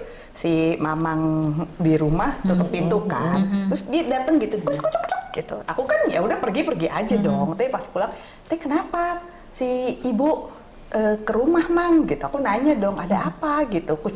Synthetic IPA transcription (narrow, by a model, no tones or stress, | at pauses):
simamaŋdiɾumaht̪ut̪ʊk̚pint̪uka̰nt̪ɾʊsdiadat̪əŋɡit̪ukɔt͡ʃkt͡ʃɔkt͡ʃɔk̚ɡ̥it̪ṵʔakukanja̰udahpərɡipərɡiʔa̰d͡ʒadɔŋt̪aipasi̥kulaŋ | t̪aikənapa | siːbu | ʔəːkəɾumahmaŋɡit̪uakunaɲadɔŋʔadaːpaɡit̪uku